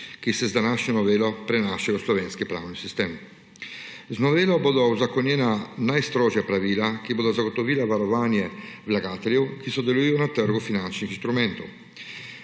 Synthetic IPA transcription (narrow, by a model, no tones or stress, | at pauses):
kisezd̪anaʃɲɔnovɛːlɔpɾenaʃɛloslovɛnskipɾa̰wnisist̪ɛm | znovɛːloboːd̪awzakːonjɛnanajst̪ɾɔːʒjapɾaviːlakiboːd̪azaɡot̪oviːlavaɾovanjɛvlaɡaːt̪eɾjokisod̪eluijonat̪ːɛɾɡʊfinant͡ʃnixst̪ɾumɛnt̪o̰